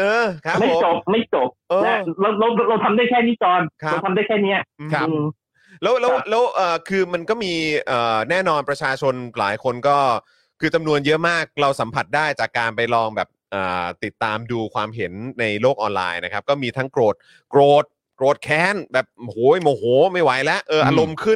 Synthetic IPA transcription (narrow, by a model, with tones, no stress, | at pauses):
ʔɤː˧kʰa˦˥pma˥˩jt͡ɕo˨˩p̚ma˥˩jt͡ɕo˨˩p̚ʔɤː˧na˦ɾwɾa˧wɾa˧wɾa˧wt̪ʰa˧mdaː˥˩jkʰɛː˥˩niː˦˥t͡ɕɔː˧nkʰa˦˧t̪ʰa˧mdaː˥˩jkʰɛː˥˩ni˦˥ɐɯ˧kʰa˦˥˩ | lɛː˦˥wlɛː˦˥wlɛː˦˥wʔɤː˨˩kʰɯː˧ma˧nkɔː˥˩miː˧ʔɤː˨˩nɛː˥˩nɔː˧npɾa˧t͡ɕʰaː˧t͡ɕʰo˧nlaː˩˦jkʰo˧nkɔː˥˩ | kʰːɯː˧t͡ɕa˧mnu˧ənjɤ˦˥ʔmaː˥˩k̚ɾa˧wsa˩˦mpʰa˨˩t̪̚daː˥˩jt͡ɕaː˨˩kːaː˧npa˧jlɔː˧ŋbɛ̰ː˨˩p̚ʔɤː˨˩t̪i˨˩t̪ːaː˧mduː˧kʰwaː˧mɦe˩˦nːa˧jloː˥˩k̚ʔɔː˧nla̰ː˧jna˦˥kʰa˦˥p̚kɔː˥˩miː˧t̪ʰa˦˥ŋkɾoː˨˩t̪̚ | kɾoː˨˩t̪̚ | kɾoː˨˩t̪̚kʰɛː˦˥nbɛː˨˩p̚hoː˨˦joː˨˩hoː˨˩˦ma˥˩jwa˩˦jlɛ˦˥ʔʔɤː˧ʔa˧ɾo˧mkʰɯ˥˩n